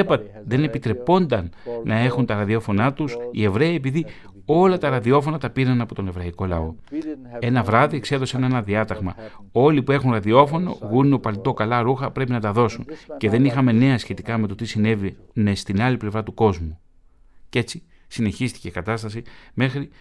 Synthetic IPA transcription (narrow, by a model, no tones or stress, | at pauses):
epɐt̪ | ðe̞ne̞pit̪ɾe̞po̞nd̪ɐnːɐe̞xunt̪ɐɾɐðio̞fo̞nɐt̪usḭe̞vɾe̞iepiði | o̞lɐt̪ɐɾɐðio̞fo̞nɐt̪ɐpiɾɐnɐpo̞t̪one̞vɾɐiko̞lɐ̰o̞ | e̞nɐvɾɐðie̞kse̞ðo̞senenɐðiɐt̪ɐɣmɐ̰o̞lipue̞xunɾɐðio̞fo̞no̞̰ɣuneo̞pɐlt̪o̞kɐlɐɾuxɐpɾe̞pinɐt̪ɐðo̞sunce̞ðe̞nixɐme̞ne̞ɐsçe̞t̪ikɐme̞t̪o̞t̪isine̞vine̞st̪inɐliple̞vɾɐt̪uko̞zmu | ce̞t͡si | sine̞çist̪i̥ce̞ikɐt̪ɐst̪ɐsime̞xɾi